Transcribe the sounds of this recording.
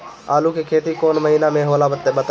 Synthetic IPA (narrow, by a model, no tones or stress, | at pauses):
aːlukekʰeːt̪ikoːnməɦiːnamẽɦoːlabət̪ːeɓət̪